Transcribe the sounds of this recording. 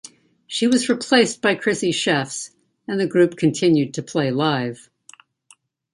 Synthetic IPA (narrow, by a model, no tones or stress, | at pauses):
ʃiwʌzɹɨpʰl̥eɪsb̥aɪkʰɹ̥ɪsiʃɛfs | ɨ̃nðɨɡɹʉp̚kʰɨ̃ntʰɪ̃njʉd̚tʰɨpʰl̥eɪlaɪv̥